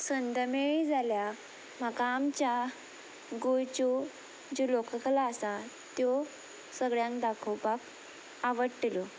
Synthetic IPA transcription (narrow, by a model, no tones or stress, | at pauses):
sənd̪əmeɭid͡zalja | məkaːmt͡ɕa | ɡojt͡ɕo | d͡ʑelokəkəlaːsa | t̪jo | səɡɭjãŋkd̪akʰowpak | aʋəɽʈiljo